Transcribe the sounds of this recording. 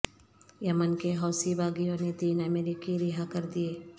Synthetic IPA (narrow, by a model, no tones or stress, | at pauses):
jɐmənkeɦɔːsibaːɡijõnet̪iːnɐmeːɾikiɾɪɦakɐɾd̪ieː